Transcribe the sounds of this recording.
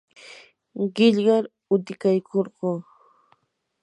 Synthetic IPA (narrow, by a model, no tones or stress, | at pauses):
ɢɪʎɢɑɾ | ʊt̪ɪkajkʰoɾɢoː